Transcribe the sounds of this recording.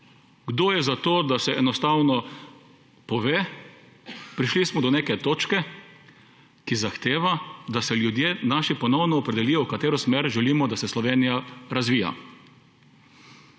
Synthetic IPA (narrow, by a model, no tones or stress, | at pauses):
ɡd̪oːjɛzat̪oːd̪asɛʔɛnɔst̪awnɔ | pɔʋeː | pɾiʃlismɔd̪ɔneːkɛt̪oːt͡ʃkɛ | kizaxt̪eːʋad̪asɛljud̪jeːnaːʃipɔnɔwnɔːpɾɛd̪ɛliːjɔwkat̪eːɾɔsmeːɾʒɛliːmɔd̪asɛslɔʋeːnijaɾazʋiːja̰